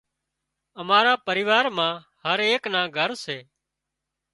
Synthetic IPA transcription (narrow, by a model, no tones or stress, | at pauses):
əmaːɾaːpəɾɪːʋaːɾmãː | həɾeːknãːɡʱəɾseː